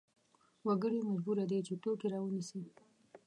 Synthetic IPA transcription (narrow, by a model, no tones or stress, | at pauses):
waɡəɽimad͡ʒbuɾad̪et͡ʃeʈokeɾɑwənisi